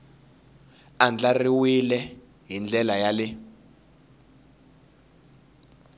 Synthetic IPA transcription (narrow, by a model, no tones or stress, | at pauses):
and͡ɮariwilɛ | ɦind͡ɮɛlajalɪ